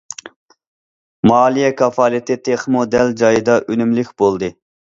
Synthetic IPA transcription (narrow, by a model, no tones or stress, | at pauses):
mɑːlˠijɛkʰɑfɑːlˠit̪ʰɪt̪ʰeχmod̪ɛld͡ʒɑjɨd̪ɑʔønymlykʲb̥olˠd̪ɨ